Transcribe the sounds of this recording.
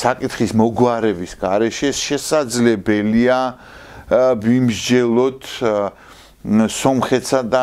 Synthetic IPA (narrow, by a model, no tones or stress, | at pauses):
sakʼit̪χismɔɡwaɾɛbisɡaɾɛʃɛʃɛsad̪zlɛbɛlia | vimɾd͡ʒɛlˠɔt̪ʰ | sɔmχɛt̪sad̪a